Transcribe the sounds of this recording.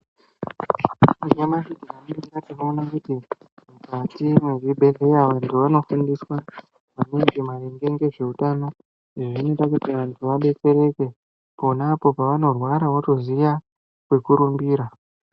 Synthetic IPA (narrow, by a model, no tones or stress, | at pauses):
aɲemaʃikianiiɾatino̞ːnakuti | mukatimweriɓe̞le̞jaʋantʰuʋano̞fundiswa | ʋaminɡimareŋɡe̞ŋɡe̞ʐe̞utano̞ | iʐonotakutiʋantʰuʋaɓe̞t͡se̞ɾe̞ke̞ | po̞napo̞paʋano̞rwaɾawato̞zija | kwe̞kuɾumbiːɾa